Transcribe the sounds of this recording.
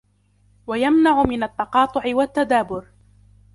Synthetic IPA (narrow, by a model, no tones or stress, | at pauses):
wajamnaʕʊmɪnat̪ːɑqɑːt̪ˤʊʕɪwat̪ːad̪aːbʊɾ